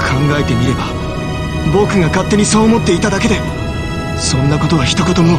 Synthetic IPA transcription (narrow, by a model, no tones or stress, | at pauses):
kʰãŋɡae̞t̪e̞mʲiɾe̞ba̰ | bo̞kɯ̟ɡakat̪ːe̞ɲ̟iso̞ːmo̞t̪ːe̞it̪ad̪ake̞d̪e̞ | sõ̞nːako̞t̪o̞βaçi̥t̪okot̪omo